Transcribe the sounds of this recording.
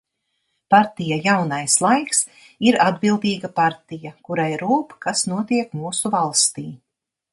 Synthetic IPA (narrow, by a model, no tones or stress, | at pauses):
paɾt̪ijajawnajslˠajks | iɾad̪bilˠd̪iːɡapaɾt̪ijakuɾajɾuːpkasnuɔt̪iɛkmuːsuvalˠst̪iː